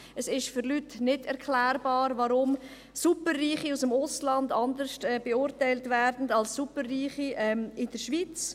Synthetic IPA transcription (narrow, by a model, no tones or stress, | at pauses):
əsɪʃfʏɾlytnɪdɛɾkʰlɛːɾbɑːɾvɑɾʊm | supərːiːχiusəmʊslɑndɑndəɾʃtɛbeʊɾtaɪltvɛɾdn̩dɑlssupərːiːχiɛmɪd̥əɾʃvit͡s